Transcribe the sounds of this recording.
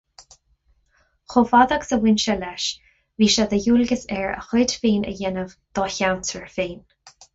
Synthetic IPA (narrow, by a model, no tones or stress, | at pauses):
xofad̪aksəwɪnʃəlɛʃ | viːʃad̪əjuːlɡəsɛɹə̰xɔːdfiːnə̰jɛnəvd̪̥ɔːçawntʰəɹfiːn